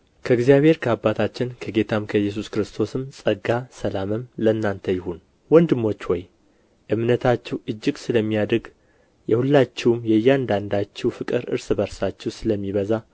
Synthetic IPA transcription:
kʰəɨɡzjaβhe̞ɾkʰəabat̪ʰat͡ʃːɪnkʰəɡe̞t̪ʰamkʰəjːɛs̬uskɨɾɨst̪ʰo̞sɨmsʼəɡasəlamɨmlənːant̪ʰəjɪhun | wɔnd̪ɨmːo̞t͡ʃːwɔj | ʔɨmnət̪ʰat͡ʃːɛwʔɨd͡ʒːɪɡsɨləmːijad̪ɾɡ | jɛhulːat͡ʃːɛwmjɛjːɛand̪and̪at͡ʃːɛwfɨkʼɨɾʔɨ̰ɾsɨbəɾsat͡ʃːɛwsɨləmːiβəza

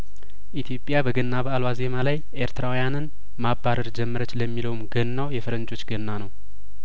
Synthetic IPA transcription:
ʔit̪ʰjo̞pʼːjabəɡənːaβəalwaze̞malajʔe̞ɾt̪ʰɨɾawujanɨn | mabːaɾəɾd͡ʒɛmːəɾət͡ʃːləmːiləwumɡənːawjɛfɨɾənd͡ʒo̞t͡ʃːɡənːanəw

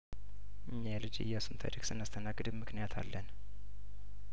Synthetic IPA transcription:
ʔɨɲːalɨd͡ʒɨ̰jːasunt̪ʰa̰ɾiksɨnːast̪ʰənaɡɨd̪ɨmmɨknijat̪ʰa̰lːən

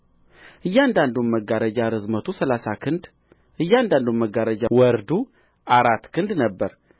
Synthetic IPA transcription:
ʔɨjːand̪and̪umməɡaɾəd͡ʒaɾɨzmət̪ʰusəlasakʰɨnd̪ | ʔɨjːand̪and̪umːəɡaɾəd͡ʒawɔɾd̪u | ʔaɾat̪ːkʰɨnd̪nəbːəɾ

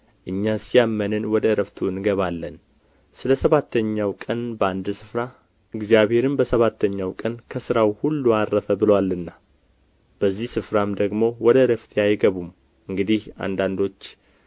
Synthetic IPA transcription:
ʔɨɲːasijamːənɨnwɔd̪əɾəft̪ʰuɨnɡəβalːən | sɨləsəβat̪ʰːəɲːawkʼənbəand̪sɨfɾa | ɨɡzijaβhe̞ɾɨmbəsəβat̪ʰːəɲːawkʼənkʰəsɨɾawhulːuaɾːəfəbɨləwalːɨnːa | b̥əzːihsɨfɾamd̪əɡmo̞wɔd̪əɾəft̪ʰjajɡəβum | ɨŋɡɨd̪iha̰nd̪and̪o̞t͡ʃː

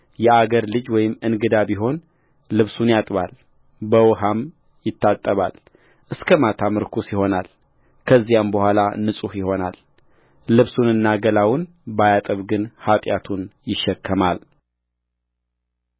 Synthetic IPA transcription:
jɛaɡəɾlɨd͡ʒwɔjɪmɨnɡɨd̪aβiɦo̞n | lɨβsunjat̪ʼβal | bəwɦam | jɪt̪ʰːat̪ʼːəβa̰l | ʔɨskʰəmat̪ʰamɨɾkʰusjɪho̞nal | kʰəzːijambəhʷalanɨsʼuhjɪho̞nal | lɨβsunɨnːaɡəlawʊn | bajat̪ʼəβɡɨnhat̪ʼjat̪ʰunjɪʃːɛkʰːəmal

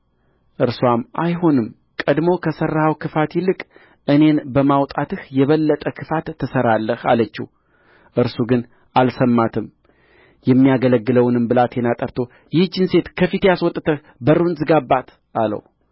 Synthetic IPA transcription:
ʔɨɾswamʔajɦo̞nɨm | kʼəd̪mo̞kʰəsərːahawkʰɨfat̪jɪlːɨkʼ | ʔɨne̞nbəmawt̪ʼat̪ɨhjɛβəlːət̪ʼəkʰɨfat̪ʰːɨsəɾalːəha̰lət͡ʃːḭ | ʔɨɾsuɡɨn | ʔalsəmːat̪ʰɨm | jɛmːijaɡələɡːɨləwnɨmbɨlat̪ʰjɛnat̪ʼəɾt̪ʰo̞ | jɪhd͡ʒːɨnse̞t̪kʰəfit̪ʰejaswɔt̪ʼːt̪ʰəh | bəɾunzɨɡabːat̪ | alə̰w

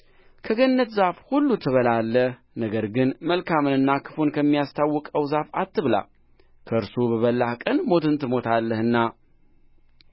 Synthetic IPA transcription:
kʰəɡənːət̪zafhulːut̪ʰɨβəlalːəh | nəɡəɾɡɨnməlkʰamɨnɨnːakʰɨ̥fonkʰəmːijast̪ʰawːɔkʼəwzafat̪ːɨβla̰ | kʰəɨɾsubəβəlːahkʼənmo̞t̪ʰɨnt̪ʰɨmo̞t̪ʰalːəhɨnːa

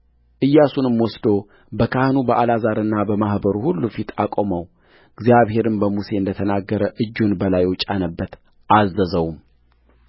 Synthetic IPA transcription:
ʔɨjːasunɨmwɔsd̪o̞ | bəkʰahnubəʔalazaɾɨnːabəmahbəɾuhulːufit̪ʰakʼoməw | ɨɡzijaβhe̞ɾɨmbəmuse̞ɨnd̪ət̪ʰənaɡːəɾəʔɨd͡ʒːunbəlajwʊt͡ʃʼanəbːət̪ | ʔazːəzəwum

